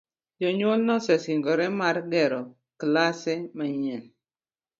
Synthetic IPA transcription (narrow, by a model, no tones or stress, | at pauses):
d͡ʒɔɲolnɔsɛsiŋɡɔɾɛmaɾɡɛɾɔ | klasɛmaɲɛn